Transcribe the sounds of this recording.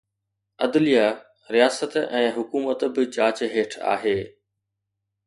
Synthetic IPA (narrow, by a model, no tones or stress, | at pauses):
ɐ̰d̪lija | ɾijaːsət̪ɛ̃ːɦʊkuːmət̪bɪd͡ʑaːt͡ɕɦeːʈʰa̰ːɦeː